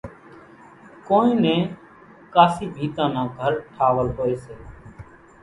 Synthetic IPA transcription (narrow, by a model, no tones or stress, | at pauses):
koːĩːnẽː | kaːsiːbʱiːt̪ãːnãːɡʱəɾʈʰaːʋəlɦoːeːseː